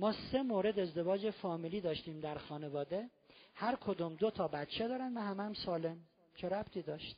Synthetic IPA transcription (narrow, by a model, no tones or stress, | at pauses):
mɒːse̞moːɾe̞d̪e̞zd̪e̞vɒːd͡ʒefɒːmiːliːd̪ɒːʃt̪iːmd̪æɾxɒːne̞vɒːd̪e | hæɾkʰod̪umd̪ot̪ʰɒːbæt̪t͡ʃʰed̪ɒːɾænd̪væhæmææmsɒːle̞m | t͡ʃʰeɾæb̥t̪ʰiːd̪ɒːʃt̪